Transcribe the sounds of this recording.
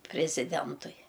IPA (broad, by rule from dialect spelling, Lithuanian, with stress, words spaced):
pʲrʲɪzʲɪˈdʲɛntʊɪ